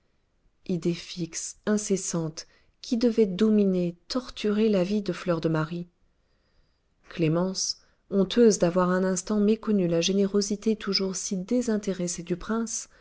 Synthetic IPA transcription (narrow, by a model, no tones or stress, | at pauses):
id̪efiksɛ̃sesɑ̃t̪ | kʲʰid̪əvɛd̪ɔminet̪ɔʁt̪yʁelavid̪əflœʁd̪əmaʁi | klemɑ̃s | ɔ̃t̪øzd̪avwaʁɛ̃nɛ̃st̪ɑ̃mekɔnylaʒeneʁozit̪et̪ʰuʒuʁsid̪ezɛ̃t̪eʁesed̪ypχɛ̃s